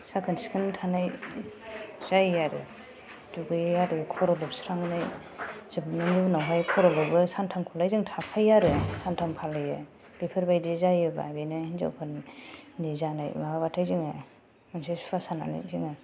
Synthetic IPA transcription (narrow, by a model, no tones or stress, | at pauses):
sakʰɯnsi̥kʰɯntʰanaj | zajaɾɯ̰ | duɡɯjaɾɯkʰɔɾɔlɔbsɾaŋnaj | zɯbnɯminawɦajkʰɔɾɔlɔbɯsantʰamkʰɔlajzɯŋtʰakʰajaɾɯsantʰampʰalajɯ | b̥ipʰɯɾbajdizajɯba̰binajnza̰wkʰɯnnizana̰jmahabatʰajzɯŋɯ | mansisu̥pʰasana̰na̰jziŋɯ